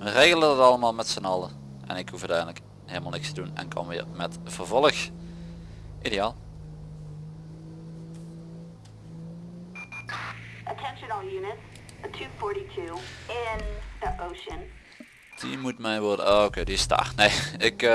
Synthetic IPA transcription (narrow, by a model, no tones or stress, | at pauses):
məreːɣəlˠədɑtɑlˠəmaːlˠmɛtsənɑlˠə | ʔɛ̰nɪkhufœtɛjdələk | ɦelˠmalˠnɪkstədunɛ̰nkʰɑ̰nʋɪ̰ːɹmɛtv̥ərvɔlˠəx | ʔideaːlˠ | ətʰɛ̃nʃə̃n̩ˠjʉnɨtətʰʉfɔɹɾitʰʉɪ̃nðiʔoʊʃɨ̃n | d̥imutmɛjnʋʊɹdə̰ookejdiɪsta̰ːrnejɪk